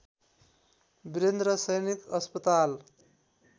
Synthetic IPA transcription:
biɾend̪ɾʌsʌjnikʌspʌt̪al

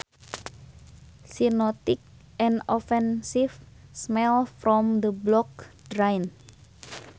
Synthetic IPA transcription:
sinɔt̪ik̚ | ɛ̃nɔfɛnsifsmɛlfɾɔmd̪əblɔk̚d̥ɾajn

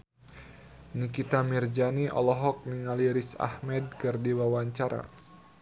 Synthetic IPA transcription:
nikit̪amird͡ʒaniʔɔ̰lɔɦɔk̚niŋaliɾisa̰hmɛd̚kɨrdiwawaɲt͡ʃaɾa̰

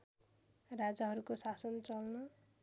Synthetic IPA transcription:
rad͡zaɦʌɾukosasʌnt͡sʌlnʌ

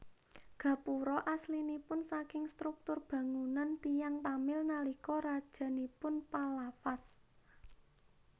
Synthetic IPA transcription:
ɡ̥ä̤puɾɔʔaslinipʊnsakɪŋst̪ɾuk̚t̪ʊrb̥ä̤ŋunant̪ijaŋt̪amɪlnalikɔɾad̥ʒ̥a̤nipʊnpalafas

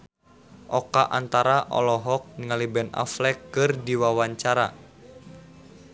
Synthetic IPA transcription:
ʔɔkaʔant̪aɾaʔɔ̰lɔɦɔk̚nŋalibɛna̰flɛkːɨrdiwawaɲt͡ʃaɾa

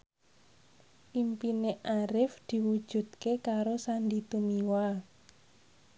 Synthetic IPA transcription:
pimpineʔaɾɪfd̪̥i̤wud̥ʒ̥ṳd̪̥̚kekaɾosandit̪umiwa

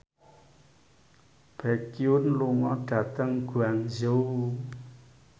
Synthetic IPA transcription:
b̥ɛkiunluŋɔɖ̥a̤t̪əŋɡ̥uaŋzow

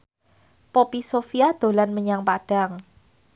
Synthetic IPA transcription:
popisofiad̪̥o̤lanməɲaŋpaɖ̥a̤ŋ

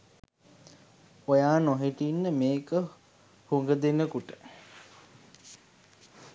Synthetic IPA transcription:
ojaːnoɦiʈinːəmeːkə | huŋɡəd̪enəkuʈə

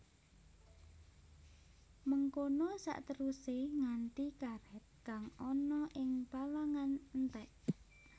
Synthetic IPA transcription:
məŋkonɔsa̰ʔt̪əɾuseŋant̪ikaɾɛt̪̚kaŋɔnɔʔɪŋpalaŋannt̪ɛʔ

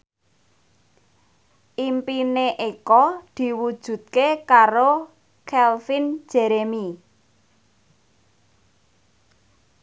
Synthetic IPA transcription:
ʔimpineʔikɔd̪̥i̤wud̥ʒ̥ṳt̪̚kekaɾo | kʰɛlfin̥d͡ʒ̥ɛ̤ɾemi

